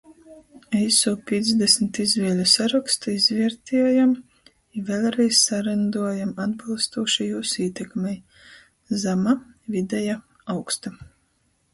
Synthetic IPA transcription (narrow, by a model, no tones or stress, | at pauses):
ɛjsuːpʲiɛzd̪esmʲt̪izvʲiɛlʲusaɾakst̪aizvʲiɛɾt̪ʰʲiɛjam | ivʲɛːlˠɾɛjssaɾand̪uɔjamad̪bilˠst̪uɔʃijuːsiːt̪ɛkmɛj | zamavid̪ɛja | awkst̪a